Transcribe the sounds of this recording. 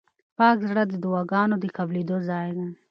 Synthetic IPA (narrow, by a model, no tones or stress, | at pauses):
pɑːkzɽəd̪əd̪ʊwɑɡɑnod̪əkablid̪ozɑjd̪a